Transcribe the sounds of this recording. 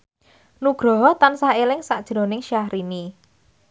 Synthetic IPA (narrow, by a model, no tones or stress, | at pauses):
nuɡ̥ɾɔɦɔt̪ansaelɪŋsaʔd̥ʒ̥ɾo̤nɪŋʃahɾʔini